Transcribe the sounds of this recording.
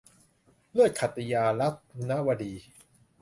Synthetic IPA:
lɯ˥˩əj̚kʰa˨˩t̪ːi˧jaː˧la˦˥t̪̚na˦˥ʔwa˧diː˧

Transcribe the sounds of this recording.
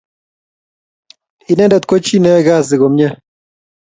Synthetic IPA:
i˨˦ne˦nda˨t̪kʷo˦t͡ʃi˦ne˦ɡa˦˨zi˨ɣo˨mɲa˦

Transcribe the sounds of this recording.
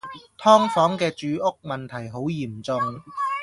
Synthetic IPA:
t̪ʰɔː˥ŋfɔː˨˥ŋkɛː˧t͡ʃyː˨˧ʔʊ˥k̚mɐ˨nt̪ʰɐ˨˩jɦo˨˥wjiː˨˩mt͡sʊ˨˧ŋ

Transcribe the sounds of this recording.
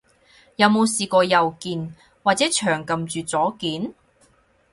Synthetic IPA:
jɐ˨˧wmo˨˧wsiː˨kɔː˧jɐ˨wkiː˨˧n | waː˨t̚t͡sɛː˨˥t͡ʃʰœː˨˩ŋkɐ˨mt͡ʃyː˨t͡sɔː˨˥kiː˨˥n

